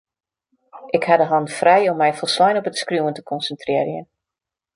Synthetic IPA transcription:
ʔɪkhadəɦɑnfrɛjɔmːɛjfɔlˠslɔjnɔpətskrjuːəntə̥kʰɔnsəntrɪərjə̰n

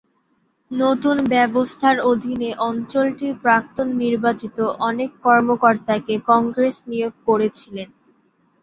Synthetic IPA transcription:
not̪unbɛbost̪ʰaɾod̪ʱineʔɔnt͡ɕolʈiɾpɾak̚t̪onːiɾbat͡ɕit̪oʔɔnekːɔɾmokoɾt̪akekɔŋɡɾesnijoɡ̚koɾet͡ɕʰilen

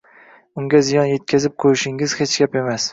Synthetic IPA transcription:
ʊŋɡʲazɪjɒnje̞t̪̚kʲʰazɪp̚qʰoɾɪʃɪŋɪz̥het͡ʃɡʲape̞mas

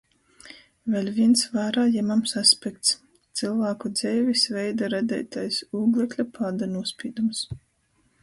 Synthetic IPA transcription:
vʲɛlʲvʲiɛnsvaːɾaːjɛmamsaspʲɛkt̪s | t̪silˠvæːkud̪z̥ɛjvʲisvɛjd̪aɾad̪ʲɛ̰jt̪ajsuːɡlʲˠɛklʲapʰaːd̪anuɔspʲḭːd̪ums

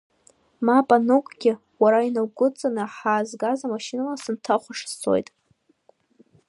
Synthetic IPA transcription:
mapʼanɨkʷʼɡʲɪ | waɾainawɡʷʊt͡sʼanɨħaːzɡazamaʃinalasɨntʰaχʷaʂst͡sʰo̞̰jtʼ

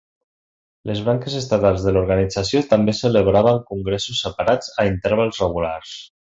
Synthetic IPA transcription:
lezβɾaŋkezest̪at̪alˠzðəluɾɣanid͡zasjot̪ambesələβɾaβ̞əŋkuŋɡɾesusːəpaɾad͡zaint̪əɾβ̞alˠzreɣulars

